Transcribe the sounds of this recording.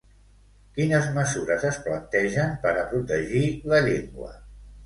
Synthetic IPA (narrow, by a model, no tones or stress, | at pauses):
kinəzməzuɾəzəsplənt̪ɛʒəmpəɾəpɾut̪əʒiləʎeŋɡwə̰